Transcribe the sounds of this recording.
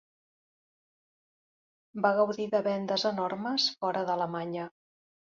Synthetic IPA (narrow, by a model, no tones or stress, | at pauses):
baɣ̞əwðiðəβɛnd̪əzənɔɾməsfɔɾəðələmaɲə